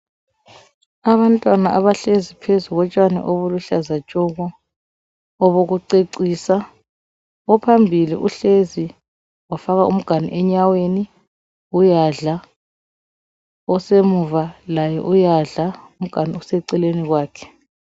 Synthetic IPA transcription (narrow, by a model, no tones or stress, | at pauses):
aβantʼwanaʔaβaɬezipʰezuɣɔt͡ʃʼwanɛ̰ʔoβuluɬazat͡ʃʼuɣɔ | βoɣuǀeǀiːsa | ɔpʰambʱilḭʔuɬezi | wafaɣaʔum̩ɡ̥ʱanḭʔɛɲaweni | ujaɮa | ɔsemuvalajɛ̰ʔujaɮaum̩ɡ̥ʱaniɔsɛǀɛleniɣwaːkʰɛ̥